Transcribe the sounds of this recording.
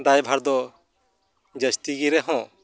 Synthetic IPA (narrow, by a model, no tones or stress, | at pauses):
d̪ajbʱaɾd̪ɔ | d͡ʒəst̪iɡiɾɛɦɔ̃